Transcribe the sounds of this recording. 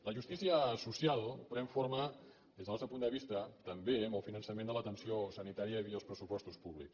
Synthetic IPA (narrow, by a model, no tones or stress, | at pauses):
ləʒust̪isiəsusialˠpɾɛɱfoɾmə | ðezðəalst̪ɾəpund̪əβ̞ist̪ət̪əmbeəməlˠfinənsəmẽnd̪ələt̪ənsiosənit̪aɾiəiəlˠspɾəsupɔst̪uspuβlḭks